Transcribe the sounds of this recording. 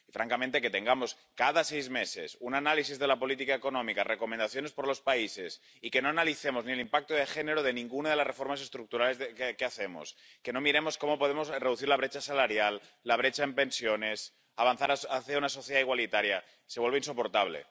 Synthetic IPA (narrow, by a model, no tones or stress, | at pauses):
ifɾaŋkament̪eket̪ẽ̞ŋɡamo̞s | kaðasejzme̞se̞̰sunanalisizðe̞lapo̞lit̪̬ikaeko̞nõ̞mikarʔeko̞mẽnd̪aθjo̞nespoɾlo̞spaise̞s | ike̞no̞analiθemo̞znielimpak̚t̪oðexeneɾoðe̞nĩŋɡunaðelasre̞fo̞ɾmase̞st̪ɾuk̚t̪uɾale̞zkeaθemo̰s | ke̞nomiɾe̞mo̞sko̞mo̞po̞ð̞emo̞zreðuθiɾlaβɾet͡ʃasalaɾjalː | aβ̞ɾe̞t͡ʃaempe̞nsjo̞ne̞s | aβanθaɾaaθeaunaso̞θjeðaiɣwalit̪aɾja | seβwelβinso̞po̞ɾt̪aβ̞lḛ